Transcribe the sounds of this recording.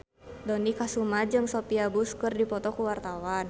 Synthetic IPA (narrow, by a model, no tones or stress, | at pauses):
dɔnikasumad͡ʒɨŋsɔpiabuskɨrdipɔt̪ɔkuwart̪awan